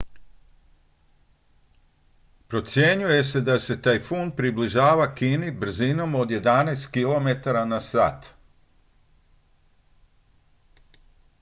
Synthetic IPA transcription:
pɾo̞t̪sje̞ɲuje̞se̞d̪ase̞t̪ajfunpɾibliʒaːʋakinibr̩zino̞mo̞d̪je̞d̪anɛːst̪kilo̞met̪aɾanasa̰ːt̪

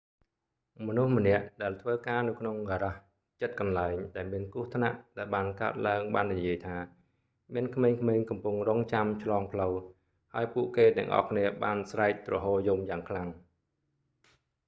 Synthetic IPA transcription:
mɔnuhmə̆nɛ̆əʔɗaɛlt̪ʰʋəːkaːnɨwkʰnoŋɣaːɾah | t͡ɕət̪̚kɑnlaɛŋɗaɛlmiənkuəht̪ʰna̰ʔɗaɛlɓaːnkaət̪̚laəŋɓaːnːijiəjt̪ʰaː | miənkʰmeːŋkʰmeːŋkɑmpuŋroːŋt͡ɕamt͡ɕʰlɑːŋpʰləw | haəjpuəʔkeːt̪ɛ̆əŋʔɑ̰hkʰniəɓaːnsraɛk̚rɔɦoːt̚jumjaːŋkʰlaŋ

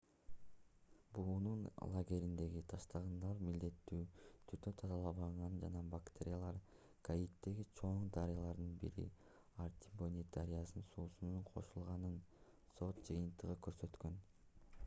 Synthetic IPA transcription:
buːnunlˠaɡʲe̞ɾind̪e̞ɡit̪ʰɑʃt̪ɑʁɯnd̪ɑɾmild̪e̞t̪ːyːt̪ʰyt̪øt̪ʰɑzɑlˠɑβɑʁɑnd͡ʒɑnɑbakt̪ʲeɾʲɪjalˠɑɾ | kʰait̪ːe̞ɡit͡ʃʰo̞ɴd̪ɑɾijalˠɑɾd̪ɯnbḭɾḭ | art̪ʲi̥bonʲit̪aɾʲijasɯnsuːsunuɴqʰo̞̰ʃulˠʁɑnɯn | so̞t̪d͡ʒɯjɯnt̪ɯʁɯkø̞ɾsø̞t̪kø̞n

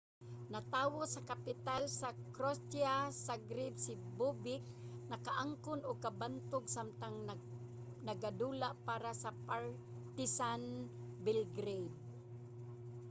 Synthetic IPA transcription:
nat̪aːwosɐkapɪt̪alsakɾost̪jasaɡɾɪb̪sɪbubɪk̚nɐkaʔaŋkʊnʊɡ̚kabant̪ʊɡsamt̪aŋ | nɐɡad̪uːlaʔpaːɾasɐpaɹ | t̪ɪsan | bɪlɡɾejd̪̚

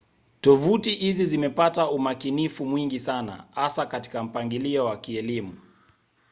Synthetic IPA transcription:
tɔvutihizizimɛpataumakinifumwiŋɡisana̰hasakati̥kam̩paŋɡiliɔwakiɛlimu

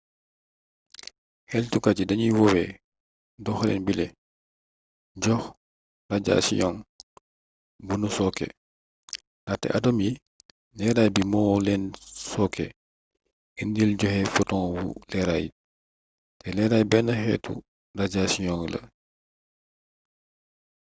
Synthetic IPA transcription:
hɛltukat͡ʃidɐɲiwɔwɛ̰ | dɔxlɛ̰nbilɛ | ɟɔx | raɟa̰ːsḭjɔŋ | bunusɔkɛ̰ | natɛ̰ʔadɔmji | lɛɾajbimɔlɛnsɔkɛ̰ | indilɟɔhɛfɔtɔŋwṵlɛɾaj | tɛlɛɾajbɛnɐxɛ̰tṵ | daɟasijɔŋlɐ̰

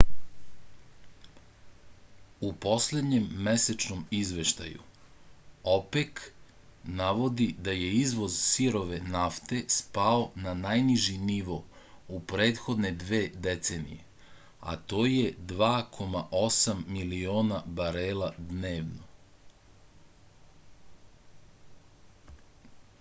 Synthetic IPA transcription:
upo̞sled̪ɲe̞mːeset͡ʃnomizʋe̞ʃt̪a̰jṵ | opek | naʋo̞d̪id̪aje̞izʋo̞zsiɾo̞ʋenaft̪e̞spao̞nanajniʒiniʋo̞ | upɾe̞ːt̪xo̞d̪ne̞d̪ʋe̞ːd̪et̪senḭje̞ | a̰t̪o̞ːje̞d̪ʋaːkʰo̞maʔo̞samːilio̞ːnabaɾeːlad̪ne̞ːʋno

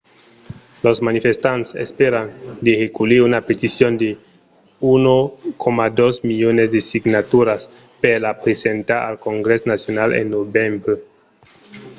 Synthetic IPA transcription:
losmanifest̪antsḛspeɾand̪eexekuliunapet̪isjond̪e | unokʰomadosmiʎonesdesiɡnat̪uɾas | peɾlapɾesentaa̰lkoŋɡɾesnasjonalḛnːobembe

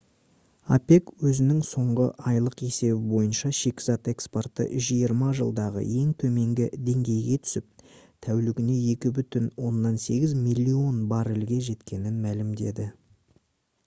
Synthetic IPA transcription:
a̰pe̞kwɵzɪnɪŋso̞ɴʁəʔɑjlˠəqe̞se̞bɪbo̞jənʃɑʃe̞kʲɪzɑt̪e̞kspo̞rt̪ə̰ʔʏʃʒijəɾmɑʒəlˠd̪ɑʁə̰je̞ŋt̪ʰɵme̞ŋɡʲɪd̪e̞ŋɡʲe̞jɡʲe̞t̪ʰʏ̥sɪp̚t̪ʰæwlɪɡʲɪne̞je̞kʲɪbʏt̪ɪnwo̞nːɑnse̞ɡʲɪzmilʲːio̞nbɑɾɪlɡʲe̞ʒe̞t̪kʲe̞nɪnmælɪmd̪e̞̰d̪ɪ

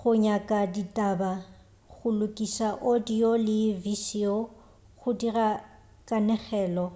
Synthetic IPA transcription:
χʊɲakʼaditʼaba | ɣʊlʊkʼisaʔodiolɪvisiɔ | ɣʊdira | kʼanɛχɛːlɔ

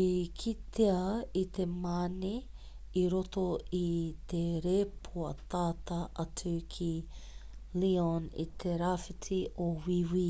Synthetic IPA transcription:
ikʰit̪eɐit̪ʰemaːni | iɾot̪oit̪eɾeːpʰoɐt̪aːt̪ɐʔɐt͡sukʰi | lionḭt̪ʰeɾaːfitʰiowiwi

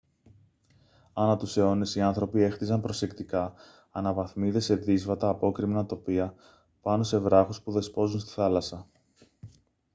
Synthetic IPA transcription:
ɐnɐt̪useo̞ne̞siɐnθɾo̞pie̞xθizɐmpɾo̞se̞kt̪ikɐː | nɐvɐθmiðe̞se̞ðizvɐt̪ɐːpo̞kɾimnɐt̪o̞piɐ | pɐno̞se̞vɾɐxuspuðe̞spo̞zunst̪i̥θɐlɐsɐ

